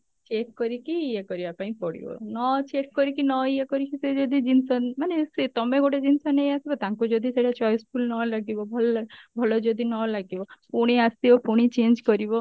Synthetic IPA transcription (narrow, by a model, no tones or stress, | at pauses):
t͡ʃekkɔɾikiːekɔɾibapãĩpɔɽḭbɔ̰nɔt͡ʃekkɔɾikinɔiekɔɾikised͡ʒod̪id͡ʒinsɔnmaneset̪ɔmeɡoʈed͡ʒinsɔnejasibɔt̪ãŋkud͡ʒod̪ʱiseʈat͡ʃɔjskʰulnɔlaɡibɔbʱɔlbʱɔlɔd͡ʒɔd̪ʱinɔlaɡibɔpuɽ̃iasibɔpuɽ̃it͡ʃend͡ʒkɔɾibɔ